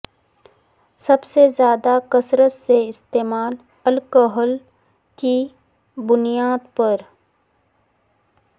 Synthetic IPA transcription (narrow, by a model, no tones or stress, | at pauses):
sɐbsezjaːd̪akəsɾət̪seɪst̪eːmaːl | ɐlkoɦəl | ki | bʊnijaːd̪pəɾ